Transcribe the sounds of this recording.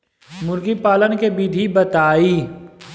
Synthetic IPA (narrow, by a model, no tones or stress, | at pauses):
mʊɾɡipaːlənkebiːd̪ʱibɐt̪aːiː